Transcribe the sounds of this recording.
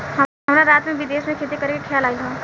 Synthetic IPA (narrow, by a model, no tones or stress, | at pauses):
ɦɐmnaɾaːt̪mẽʋɪd̪eːsmẽkʰeːt̪ekɐɾekekʰejaːlaːiɦã